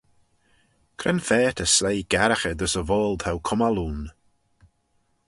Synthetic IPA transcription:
kʰɾɛnfɛːtʰəslejɡ̥ɛɾaxəd̪əsəvɔːlˠd̥hawkʰʊmaluːn

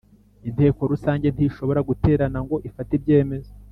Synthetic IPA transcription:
inte̞ːko̞ɾusaːɲɟe̞n̥tiʃo̞βo̞ɾaɡute̞ːɾanaŋɡo̞ʔifatibɟe̞ːme̞zo

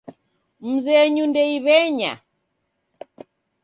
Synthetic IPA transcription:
m̩zɛɲundɛiβɛɲa̰

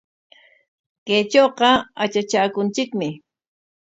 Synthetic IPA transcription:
kejt͡ʃoːqɑat͡ʃat͡ʃaːkʊnt͡ʃɪkmɪ

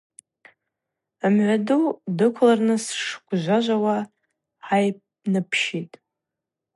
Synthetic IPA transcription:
amʕʷadudɨkʷʰlarnɨsʂɡʷʼʒʷaʒʷawa | ħajpʼ | nɨpʰʃitʼ

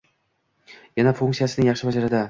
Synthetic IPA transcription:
janafuŋk̪t̪sijasɪnɪŋjɑχʃɪbad͡ʒaɾɪd̪a

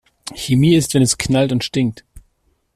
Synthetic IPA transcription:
çemiːɪstv̥ɛnɛskʰnaltʊntʃtɪŋk̚t

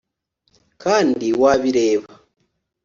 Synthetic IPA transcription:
kaːndiwaːβiɾe̞ːβa

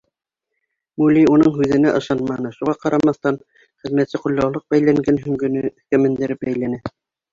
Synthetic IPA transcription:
mulʲiunɤɴɦʉðɘ̆næʔɤ̆ʃɑnmɑnɤʃuʁɑqɑɾɑmɑθt̪ɑn | χɘ̆ðmæt̪sɘqŭlʲːɑwlˠɤq̚bæjlæŋɡænɦɵ̆ŋɡɵ̆nɘkæmɘ̆nd̪ɘ̆ɾɘp̚bæjlænæ

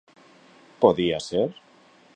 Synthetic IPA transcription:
poðiaseɾ

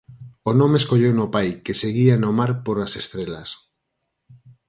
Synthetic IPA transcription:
onõmeːskoʎewnopajkeseɣianomaɾpoɾasest̪ɾelas

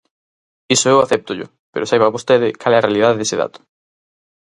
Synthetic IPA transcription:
isoewaθɛp̚t̪ʊʎʊ̰ | pḛɾʊsajβaβost̪eðɪkalɛrealið̞aðeðeseða̰t̪ʊ̥

